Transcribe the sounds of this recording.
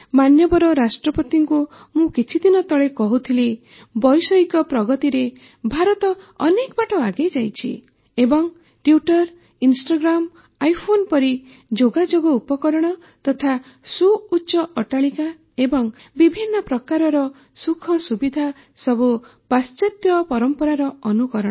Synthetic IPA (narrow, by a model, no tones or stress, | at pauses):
manjɔbɔɾɔɾasʈɾɔpɔt̪iŋku | mũkit͡ʃʰid̪inɔt̪ɔɭekɔɦut̪ʰili | bɔjsɔikɔpɾɔɡɔt̪iɾe | bʱaɾɔt̪ɔɔnekɔbaʈɔaɡejd͡ʒajt͡ʃʰḭ | ebɔŋ | ʈjuʈɔɾ | insʈaɡɾam | ajpʰonpɔɾi | d͡ʒoɡad͡ʒoɡɔupɔkɔɾɔɽ̃ɔ | t̪ɔt̪ʰa | suutːʃɔʔɔʈaɭika | ebɔŋbibʱinːɔpɾɔkaɾɔɾɔ | sukʰɔsubid̪ʱa | sɔbupast͡ʃat̪jɔpɔɾɔmpɔɾaɾɔɔnukɔɾɔɽ̃ɔ